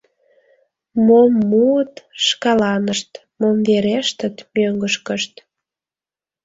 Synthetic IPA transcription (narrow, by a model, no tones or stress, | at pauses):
momːuət̪ʃkɑlɑnəʃt̪ | momveɾeʃt̪ət̪møŋɡəʃkəʃt̪